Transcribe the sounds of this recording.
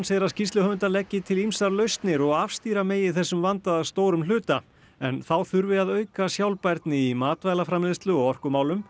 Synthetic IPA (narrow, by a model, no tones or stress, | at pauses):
nsejɾascist̪ʏhœvʏnt̪alɛcːɪt̪ʰɪlimsaɾlœɥst̪nɪɾɔɣafst̪iːɾameːjɪθɛsːʏmvant̪aðast̪oːwɾʏml̥ʏːt̪a | ɛnθawθʏɾvɪaðœːɥkasjawlpajɾt̪nɪimaːt̪vajlafɾamɪst̪lʏɔɣɔr̥kʏmaːwlʏm